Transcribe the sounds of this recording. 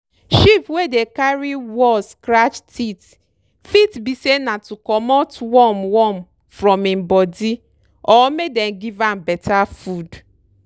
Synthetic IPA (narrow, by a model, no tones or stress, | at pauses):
ʃipwedekaɾiwɔskɾat͡ʃtʰit | fitbisenatukɔmɔtwɔmwɔm | fɾɔmĩm̩bɔdi | ɔmedɛnɡivambɛtʰafud